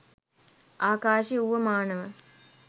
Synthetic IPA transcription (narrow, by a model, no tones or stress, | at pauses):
aːkaːʃiuʋəmaːnəʋə